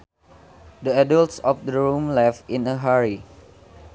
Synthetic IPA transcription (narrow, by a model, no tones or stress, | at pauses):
dəadəltsɔfdəɹũmlɛfĩnəɦaɹi